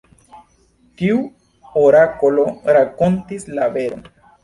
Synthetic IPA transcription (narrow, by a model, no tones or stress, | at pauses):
kiu | oɾakoloɾakont̪islabe̞ɾo̰n